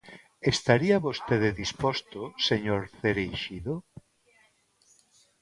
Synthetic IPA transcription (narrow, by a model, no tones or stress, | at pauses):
est̪aɾiaβost̪eðeðispɔst̪oseɲoɾθeɾejʃiðo